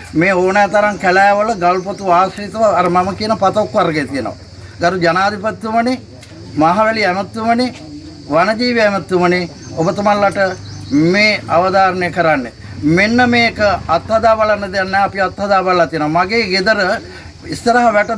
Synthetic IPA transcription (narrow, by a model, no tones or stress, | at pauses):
meːoːnɛːt̪ɐɾaŋkælæːʋələɡalpot̪uaːsɾit̪əʋːɾəmaməkiənəpat̪okʋaɾɡejt̪ijəno̰ʋa̰ | ɡaɾud͡ʒanaːd̪ʱipat̪ːuməni | maɦaʋɛliɛmɐt̪ːuməne | ʋanɐd͡ʒiːʋeɛmɐt̪ːuməne | obət̪ɐmalːaʈəmeːaʋəd̪aːɾənejəkəɾanːe | menːəmeːkəɐt̪hɐd̪aːbalanːəd̪ejanːɛːɐpiat̪ːɦɐd̪aːbalːat̪ijənoʋɐmaɡeːɡed̪əɾə | ist̪əɾɐɦɐʋæʈə